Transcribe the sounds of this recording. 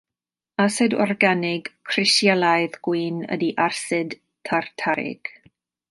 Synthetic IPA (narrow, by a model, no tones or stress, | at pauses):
asɛdɔ̰rɡanɪɡ̥kʰrɪsjalˠajðɡ̥wiːnə̰diʔarsɨd | tʰartʰaɾɪ̰ɡ̥